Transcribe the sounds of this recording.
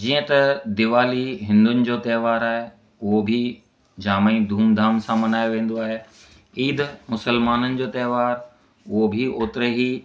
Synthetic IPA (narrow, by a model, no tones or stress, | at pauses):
d͡ʑiːə̃t̪ɐd̪ɪʋaːliɦɪ̃nd̪ʊnɪ̆d͡ʑoːt̪ɐːʋaːɾaːɦe | ʊɦobʱi | d͡ʑaːmãĩd̪ʱuːmd̪ʱaːmsãmɐnaːjoʋẽːn̆d̪oaːɦe | iːd̪mʊsəlmaːnənɪ̆d͡ʑoːt̪ɛːʋaːɾ | ʊɦobʱiʔoːt̪ɪɾeɦiː